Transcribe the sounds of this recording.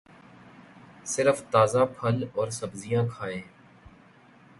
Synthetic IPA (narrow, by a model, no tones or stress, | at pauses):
sɪɾəft̪aːzãːpʰəlɔːɾsəbzijãːkʰaːeː